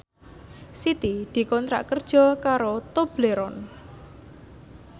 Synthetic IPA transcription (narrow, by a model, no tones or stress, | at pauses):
sit̪id̪̥i̤kɔnt̪ɾa̰ʔkərd̥ʒ̥ɔ̤kaɾot̪ob̥leɾɔn